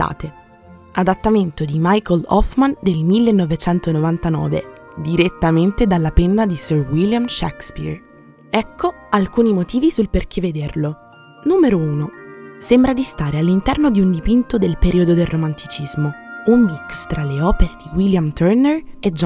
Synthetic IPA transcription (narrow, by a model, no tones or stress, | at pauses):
a̰ːt̪e | ad̪at̪ːament̪od̪imajkolɔ̰fmand̪elmilːenːovet͡ʃɛnt̪onovant̪anɔ̰ːvḛ | d̪iɾet̪ːament̪ed̪alːapenːad̪isørwiljamʃɛ̰kspḭr | ɛkʰːo | alkuːnimot̪iːvisulperk̟ʰeved̪erlo | nuːmeɾouːnosembɾad̪ist̪aːɾealːint̪ɛrnod̪iund̪ipint̪od̪elpeɾʔiːod̪od̪elrːʔomant̪ʰit͡ʃizmoumːikst̪ɾaleɔːpeɾed̪iwiljamt̪ɛrnered͡ʒ